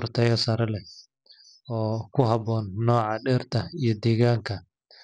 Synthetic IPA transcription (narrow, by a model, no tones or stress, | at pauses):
rt̪ʰɛjɔsɐɾɐlɛ | ɔːkʰʊɦɐbɔːnːɔːʕɑɖɛrt̪ʰɐijɞd̪ɛːɣaːŋkʰɐ